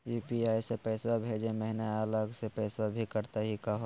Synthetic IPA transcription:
juːpiaːisepɛɪswabʱeːd͡ʒẽmɛɦɪnaaləɡsepɛːsabʱikɐɾt̪aɦikɐɦo

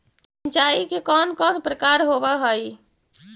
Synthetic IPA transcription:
sənt͡ʃaikekɔnkɔnpɾəkaɾɦobəɦəj

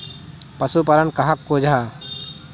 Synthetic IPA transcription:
pɐsupɐɾənkɐɦakːoːd͡ʒʱaː

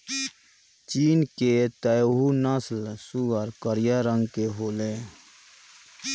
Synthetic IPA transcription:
t͡ʃiːnket̪əjɦunəslsuɡəɾkəɾjaɾə̃ŋɡkeɦoːleː

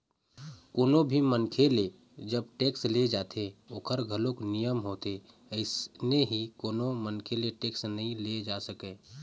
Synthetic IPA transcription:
koːnõbʱimənkʰele | d͡ʒəb̚ʈeːksled͡ʒaːt̪ʰeoːkʰəɾɡʱəloknijəmɦoːt̪e | əɪsneɦikoːnomənkʰeleʈeːksnɐɦĩled͡ʒaːsəkẽː

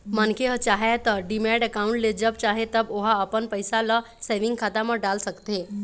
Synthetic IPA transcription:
mənkeɦət͡ɕaɦet̪əɾɖimɛɽəkauɳʈled͡ʑəb̚t͡ɕaɦet̪əboɦaːpəɳpəjsala | seʋiŋɡkʰat̪aməɽɖalsəkt̪e

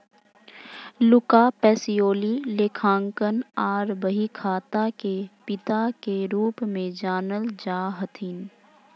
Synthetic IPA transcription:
lʊkapɛːsijoːlileːkʰãːŋkənaːɾbəɦikʰaːt̪akepɪt̪akeɾuːpmẽd͡ʒaːnəld͡ʒaːɦət̪ʰin

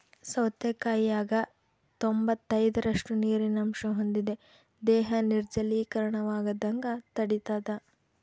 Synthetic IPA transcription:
sɐwt̪jɐkaːjaːɡɐ | t̪ombɐt̪ːɐjd̪ɐɾɐʂʈuniːɾinɐmʃɐɦond̪id̪e̞ | d̪ɛːɦɐniɾd͡ʒɐliːkɐɾɐɳɐʋaːɡɐd̪ɐŋɡɐt̪ɐɽit̪aːd̪ɐ

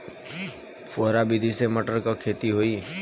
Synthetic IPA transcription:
fɔɦɾabid̪ʱiseməʈəɾkakʰet̪iɦoiː

